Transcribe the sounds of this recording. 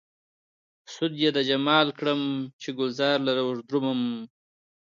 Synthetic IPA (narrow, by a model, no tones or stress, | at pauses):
sʊd̪jed̪ad͡ʒamɑːlkɽəmt͡ʃeɡʊlzɑːɾlaɾawʐd̪ɾuməm